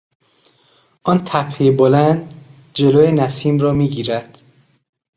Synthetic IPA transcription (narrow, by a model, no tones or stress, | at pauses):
ʔɒːnt̪ʰæpʰhejbolænd̪ | d͡ʒeloːjenæsiːmɾɒːmiːɟiːɾæd̪̥